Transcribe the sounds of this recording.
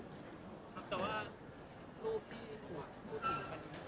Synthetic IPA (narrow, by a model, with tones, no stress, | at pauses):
kʰa˦˥p̚t̪ɛː˨˩waː˥˩ | ɾuː˥˩p̚t̪ʰiː˥˩t̪ʰu˨˩ək̚pʰuː˥˩t̪̚ʰːɯː˩˦pa˧n˧